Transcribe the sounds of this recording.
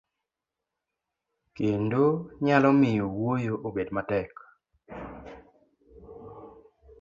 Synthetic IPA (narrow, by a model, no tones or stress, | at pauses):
kendoɲalɔmɪjowojoʔobedmatɛk